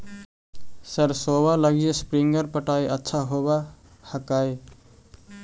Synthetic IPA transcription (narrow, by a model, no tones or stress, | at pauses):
səɾsoβaləɡijespɾiŋɡəɾpəʈajətːʃʰaɦoβa | həkaj